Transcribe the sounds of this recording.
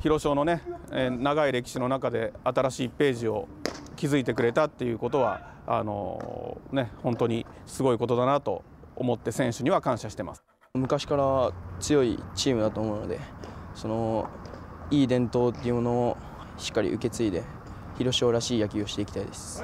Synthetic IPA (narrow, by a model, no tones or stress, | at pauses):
çiɾo̞ɕo̞ːno̞ne̞naɡaiɾe̞kʲi̥ɕino̞nakad̪e̞at̪aɾaɕiːpe̞ːʑio̞kʲizɨit̪e̞k̬ɯ̟ɾe̞t̪at̪ːe̞jɯ̟ko̞t̪o̞β̞a̰ | a̰no̞̰ne̞hõ̞nt̪oɲ̟isɨɡo̞iko̞t̪o̞d̪anat̪o̞̰ː | mo̞t̪ːe̞sẽ̞ɰ̃ɕɨɲ̟iβakãɰ̃ɕaɕi̥t̪ema̰sɨ̥ | mɯ̟kaɕi̥kaɾat͡sɨjo̞ḭt͡ɕiːmɯ̟d̪at̪oːmo̞ɯ̟no̞̰d̪e̞so̞no̞ | iːd̪ẽ̞nt̪o̞ːt̪ːeiɯ̟mo̞no̞o | ɕi̥kːaɾʲḭʔɯ̟ke̞t͡sɨid̪e̞ | çiɾo̞ɕo̞ːɾaɕiːjakʲio̞ɕi̥t̪eikʲi̥t̪aid̪e̞sɨ̥